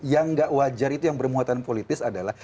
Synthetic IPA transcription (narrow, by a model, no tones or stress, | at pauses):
jaŋɡaʔwad͡ʒaɾit̪ujaŋbərmuat̪anpolit̪ɪsadalah